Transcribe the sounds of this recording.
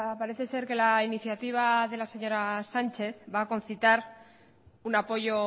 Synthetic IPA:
paɾe̞θe̞se̞ɾke̞lainiθjat̪iβ̞aðe̞lase̞ɲo̞ɾasant͡ʃe̞θβaːko̞nθit̪aɾ | unapo̞ʝo̞

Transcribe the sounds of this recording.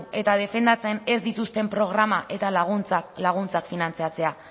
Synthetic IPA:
e̞t̪að̞e̞fe̞nd̪at͡se̞ne̞zd̪it̪ust̪e̞mpɾo̞ɣ̞ɾamaʔe̞t̪alt͡slaɣ̞unt͡sakfinant͡siat͡se̞a

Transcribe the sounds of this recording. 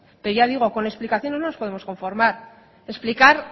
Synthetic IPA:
pe̞ɾoʝað̞iɣ̞o̞ko̞ne̞ksplikaθjo̞ne̞zno̞nospo̞ð̞emo̞sko̞ɱfo̞ɾmaɾ | e̞splikaɾ

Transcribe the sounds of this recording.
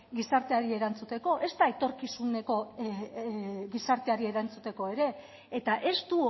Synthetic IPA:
ɡisaɾt̪eaɾie̞ɾant͡sut̪e̞ko̞ʔe̞st̪aet̪o̞ɾkisune̞ko̞ | ɡisaɾt̪e̞aɾie̞ɾant͡sut̪e̞ko̞e̞ɾe̞ː | t̪aʔe̞st̪u

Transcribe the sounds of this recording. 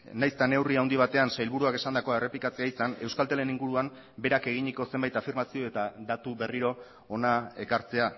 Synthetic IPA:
najst̪ane̞wriawnd̪iβ̞at̪e̞ansajlβuɾuake̞sand̪ako̞e̞re̞plikat͡se̞aisane̞wskalt̪ele̞niŋɡuɾuam | be̞ɾake̞ɣ̞iɲiko̞sembajt̪afiɾmasio̞e̞t̪ad̪at̪uβe̞riɾo̞ | onae̞kaɾt͡se̞a

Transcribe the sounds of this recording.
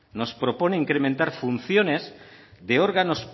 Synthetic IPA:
no̞spɾo̞po̞neiŋkɾemẽnt̪aɾfun̟θjo̞ne̞zðeo̞ɾɣano̞s

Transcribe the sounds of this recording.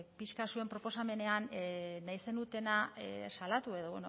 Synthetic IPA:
piʃkasue̞mpɾo̞po̞same̞ne̞anːaise̞nd̪ut̪e̞nasalat̪ue̞ðo̞βḛno

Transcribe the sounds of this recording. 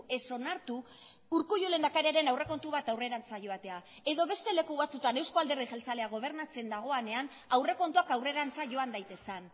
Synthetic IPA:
e̞so̞naɾt̪uː | ɾkuʝule̞nd̪akaɾeaɾe̞nawre̞ko̞nt̪uβat̪awre̞ɾant͡saʝo̞at̪e̞a | e̞ðo̞βe̞st̪e̞le̞kuβat͡sut̪ane̞wsko̞ald̪e̞rixe̞lt͡sale̞aɣo̞β̞e̞ɾnat͡se̞nd̪aɣ̞o̞ane̞an | awre̞ko̞nt̪uakawre̞ɾant͡saʝo̞and̪ajt̪e̞san

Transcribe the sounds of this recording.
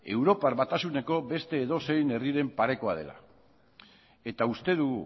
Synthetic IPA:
e̞wɾo̞paɾβat̪asune̞ko̞be̞st̪e̞ːðo̞se̞jne̞riɾe̞mpaɾe̞ko̞að̞e̞̰la̰ | e̞t̪aust̪e̞ð̞uɣ

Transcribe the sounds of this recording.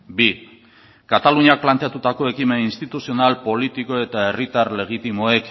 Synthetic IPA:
bi | kat̪aluɲak̚plant̪e̞at̪ut̪ako̞e̞kimeninst̪it̪usio̞nalpo̞lit̪iko̞e̞t̪ae̞rit̪aɾle̞ɣ̞it̪imo̞e̞k

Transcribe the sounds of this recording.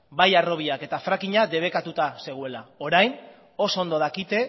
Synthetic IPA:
bajaro̞βiake̞t̪afɾakiɲad̪e̞β̞e̞kat̪ut̪ase̞ɣ̞ue̞lao̞ɾajn | o̞soond̪o̞ðakit̪e̞

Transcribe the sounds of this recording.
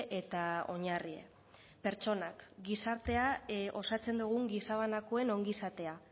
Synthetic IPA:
ʔe̞t̪ao̞ɲarie̞̰ | pe̞ɾt͡ʃo̞nakɡisaɾt̪e̞aʔo̞sat͡se̞nd̪uɣ̞uŋɡisaβ̞anakoe̞no̞ŋɡisat̪e̞a

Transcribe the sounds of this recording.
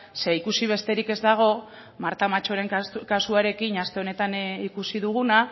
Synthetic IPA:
se̞ikusiβ̞e̞st̪e̞ɾike̞zd̪aɣ̞o̞ | maɾt̪amat͡ʃo̞ɾe̞ŋkasuaɾe̞kinast̪e̞o̞ne̞t̪anikusiðuɣ̞una

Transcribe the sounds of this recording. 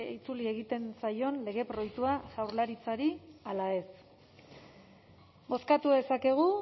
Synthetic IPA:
it͡sulie̞ɣ̞it̪e̞nsajo̞nle̞ɣ̞e̞pɾo̞jt̪uaʝawɾlaɾit͡saɾialae̞s | bo̞skat̪uðe̞sake̞ɣ̞u

